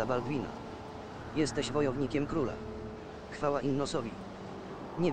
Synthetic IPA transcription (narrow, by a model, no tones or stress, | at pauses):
abalɡvʲina̰ | jɛst̪ɛɕvɔjɔvɲikʲɛmkɾula̰ | xfawaʔinːɔsɔvʲi | ɲɛ